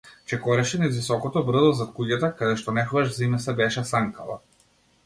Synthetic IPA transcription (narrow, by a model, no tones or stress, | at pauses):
t͡ʃɛkɔɾɛʃɛnɛzvisɔkɔt̪ɔbr̩zɔzat̪̚kuɟat̪akad̪ɛʃt̪ɔnɛxvaʃzimɛsɛbɛʃɛsaŋka̰la̰